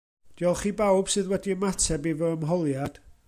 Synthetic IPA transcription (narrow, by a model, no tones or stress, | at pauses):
d̥iɔlˠχiːbawb̥sɨðwɛdiəmatʰɛbivəəmɦɔlˠjad̥